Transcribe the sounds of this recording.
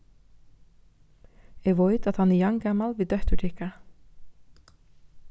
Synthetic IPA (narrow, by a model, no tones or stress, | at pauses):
ɛɡʋɔʏt̪aðt̪hanɛjɑŋɡamalʋiːd̪œht̪ʏʈʰɪhka